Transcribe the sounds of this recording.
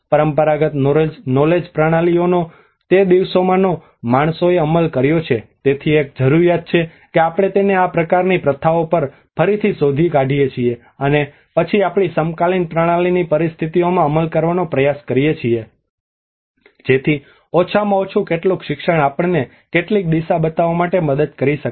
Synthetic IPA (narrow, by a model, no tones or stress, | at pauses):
pəɾəmpəɾaɡət̪nnɔled͡ʒpɾaɽ̃aliono | t̪ed̪iʋsomãno | maɳ̃soeəməlkəɾjot͡ʃʰet̪et̪ʰiek̚d͡ʒəɾuɾjat̪̚t͡ʃʰe | keapəɽ̃et̪eneapɾəkaɾnipɾət̪ʰaʋopəɾ | pʰəɾit̪ʰisod̪ʱikaɖʱijet͡ʃʰie | əne | pət͡ʃʰiapɽ̃isəmkalinpɾaɽ̃alinipəɾist̪ʰit̪iomãəməlkəɾʋanopɾəjaskəɾijet͡ʃʰie | d͡ʒet̪ʰi | ɔt͡ʃʰamãot͡ʃʰũkeʈlũkʃɪkʃəɳ̃apəɳne | keʈlik̚d̪iʃabət̪aʋamaʈeməd̪əd̪̚kəɾiʃək